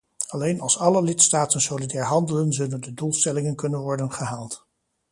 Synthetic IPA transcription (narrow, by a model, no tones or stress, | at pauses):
ɑlejnɑlˠsɑləlɪtstaːtənsolidɛːɹɦɑndələnzɵləndədulˠstɛlɪŋənkɵnənʋɔɹdənχəɦaːlˠt